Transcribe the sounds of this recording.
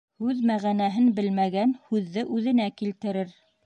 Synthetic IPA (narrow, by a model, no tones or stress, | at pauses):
hʉðmæʁænæɦɘnbɘlmæɡænhʉðːɘʔʉðɘ̆nækilt̪ɘ̆ɾɘɾ